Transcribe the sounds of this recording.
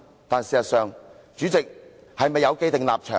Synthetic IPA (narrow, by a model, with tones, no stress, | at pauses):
t̪aː˨nsiː˨˩sɐ˨t̚sœː˨ŋ | t͡ʃyː˨˥t͡sɪ˨k̚ | hɐ˨jmɐ˨jːɐ˨˧wke˥˧jt̪ɪ˨ŋlaː˨p̚t͡ʃʰœː˨